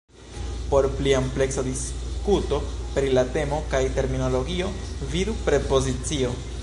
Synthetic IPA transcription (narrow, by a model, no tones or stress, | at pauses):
po̞ɾpliample̞ksadiskuto̞pɾilate̞mo̞kajte̞ɾmino̞lo̞ɡio̞vidupɾe̞po̞zit͡sio̞